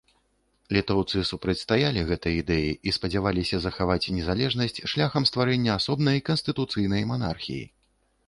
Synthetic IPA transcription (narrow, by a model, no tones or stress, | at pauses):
lʲit̪ɔwt̪sɨsupɾɐt͡sʲst̪ajalʲiɣɛt̪ɐjid̪ɛjiʔispɐd͡zʲavalʲisʲɐzɐxavat͡sʲnʲɛzalʲɛʐnɐsʲt͡sʲʂlʲaxɐmst̪vaɾɛnʲːɐasɔbnɐjkɐnst̪ɨt̪ut̪sɨjn̪ɐjmana̰rxʲḭjḭ